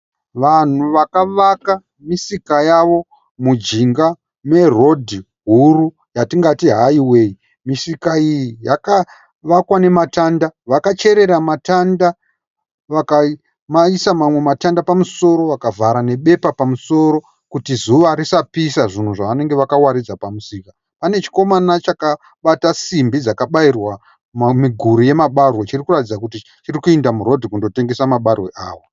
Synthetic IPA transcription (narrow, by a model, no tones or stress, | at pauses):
ʋan̤uʋakaʋaka | misikajaʋo̞ | mud͡ʒiŋɡa | me̞ro̞dʱi | ɦuru | jatiŋɡatiɦaiwe̞ji | misikaijijaka | ʋakwane̞matandaʋakat͡ʃe̞ɾe̞ɾamatanda | ʋaka | maisamamwe̞matandapamuso̞ɾo̞ʋakavʱaɾane̞ɓe̞papamuso̞ɾo̞ | kutizuʋaɾisapisaʐin̤uʐaʋane̞ŋɡe̞ʋakawaɾid͡zapamusiːka | pane̞t͡ʃi̥ko̞manat͡ʃaka | ɓatasimbid͡zakaɓairwa | mmiɡʱuɾuje̞maɓarwot͡ʃirikuratid͡zakuti | t͡ʃirikuendamuɾo̞dʱikundo̞te̞ŋɡe̞samaɓarweʔa̰ːwa